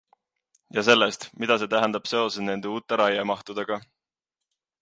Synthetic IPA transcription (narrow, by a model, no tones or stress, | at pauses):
jɑse̞lːest̪mid̪̥ɑse̞ːt̪æɦɛnd̪̥ɑb̥se̞o̞sene̞nd̪̥e̞uːt̪ːˑe̞ɾɑjemɑht̪ud̪̥eɡ̥ɑ